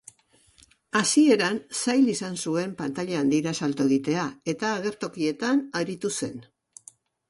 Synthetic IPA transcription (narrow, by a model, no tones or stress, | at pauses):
asie̞ɾansajlisansue̞mpant̪aʎaand̪iɾasalt̪oe̞ɣit̪e̞ae̞t̪aːɣ̞e̞ɾt̪o̞kie̞t̪anaɾit̪use̞n